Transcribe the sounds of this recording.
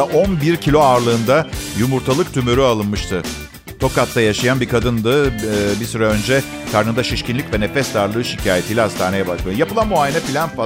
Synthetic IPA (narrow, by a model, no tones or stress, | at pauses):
ʔo̞nbiɾcʰilʲo̞aːɾlˠɯːnd̪ajumuɾt̪ʰalˠɯk̚t̪ʰymyɾyalˠɯnmɯʃt̪ʰɯ | t̪ʰo̞kat̪ʰlːajaʃajanbikʰad̪ɯnd̪ɯbisyɾaønd͡ʒɛ | kʰaɾnɯnd̪aʃiʃcʰinlʲicʲvɛne̞fɛst̪aɾlˠɯːʃicʰaːjet̪ʰijlʲɛɦast̪ʰaːnejɛbakmajapɯlˠanmuaːjenɛfilʲænfa